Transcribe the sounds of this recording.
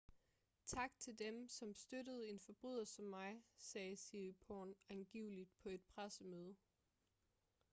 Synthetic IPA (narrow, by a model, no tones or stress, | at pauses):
t͡sʰɑ̈ɡ̥t͡sʰe̝ld̥emsɒ̽msd̥øɾəð̞̩ˠe̝nfɒ̽b̥ʁyð̞̰ˠɐsɒmːɑ̈ɪsɛːsilipʰɒ̰nænɡ̥iʊlid̥̚pʰɒ̽e̝d̥pʰʁasəmøːð̞ˠə